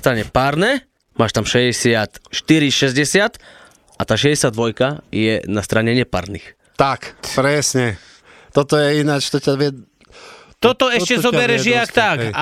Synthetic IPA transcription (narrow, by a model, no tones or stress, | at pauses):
st̪ɾaɲɛpaɾnɛ | maːʃt̪amʃɛɟɛsɪat̪ʃt̪iɾiʃɛzɟɛsɪat̪ | ʔat̪aːʃɛɟɛsɪad̪ʋɔjkajɛ̰nast̪ɾaɲɛɲɛpa̰ɾnḭx | t̪akpɾɛsɲɛ | t̪ɔt̪ɔjɛinat͡ʃt̪ɔcaʋɛ | t̪ɔt̪ɔɛʃcɛzɔbɛɾɛʒɪakt̪aka